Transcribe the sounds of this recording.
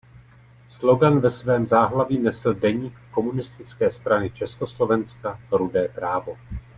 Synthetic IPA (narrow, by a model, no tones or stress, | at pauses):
slo̞ɡanvɛsvɛːmzaːɦlaviːnɛsl̩dɛɲiːkːo̞munɪst̪ɪt͡skɛːst̪ɾanɪt͡ʃɛsko̞slo̞vɛnskaɾudɛːpɾaːvo̞